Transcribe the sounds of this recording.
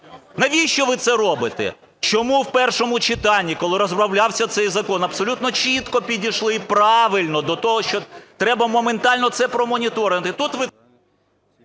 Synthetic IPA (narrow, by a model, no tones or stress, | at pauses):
nɐʋʲijʃt͡ʃɔʋɪt̪sɛɾɔbɪt̪ḛ | t͡ʃɔmuwpɛrʃɔmʊt͡ʃɪt̪ɑnʲːikɔlˠɪɾɔzbɾɐwlʲɑwsʲɐt̪sɛjzɐkɔnɐpsɔlʲut̪nɔt͡ʃit̪kɔpʲidʲiʃlˠɪpɾɑʋɪlʲnɔd̪ɔt̪ɔɦɔʃt͡ʃɔt̪ɾɛbɐmɔment̪ɑlʲnɔt̪sɛpɾɔmɔnʲit̪ɔɾɪnt̪ɪt̪ut̪ʋɪ